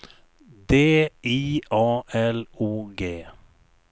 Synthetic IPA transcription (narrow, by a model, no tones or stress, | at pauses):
d̪eːʔiːʔɑːʔɛluːɡeː